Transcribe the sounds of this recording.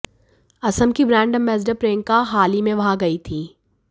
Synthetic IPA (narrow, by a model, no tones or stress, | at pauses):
ɐsəmkibɾɛ̃ːɳɖəmːɛːzɖəpɾẽːŋkaɦaːlimẽʋɐɦãɡɐit̪ʰiː